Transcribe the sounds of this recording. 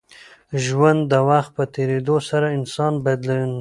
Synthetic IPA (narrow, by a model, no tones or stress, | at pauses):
ʒwand̪ːəwaxt̪̚pət̪eɾed̪osaɾaɪnsɑnbajd̪lawin